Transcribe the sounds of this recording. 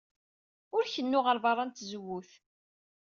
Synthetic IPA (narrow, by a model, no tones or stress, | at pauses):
ʊɾçənːʊʁəɾvɑrˤːɑnt̪zwːuθ